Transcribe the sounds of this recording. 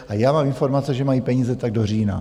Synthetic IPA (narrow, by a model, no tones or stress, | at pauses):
ʔajaːmaːmɪnfo̞ɾmat͡sɛʒɛmajiːpɛɲiːzɛt̪aɡ̚do̞riːna̰